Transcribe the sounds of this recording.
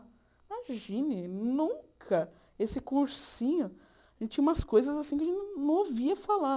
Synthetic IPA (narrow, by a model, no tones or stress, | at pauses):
maʒĩnɪnũkʰɐ | esɪkuɾsĩɲʊ | aʒʒẽnɪt͡ʃĩumɐskojzɐzasĩkɪaʒẽnnɐ̃w̃oviɐfala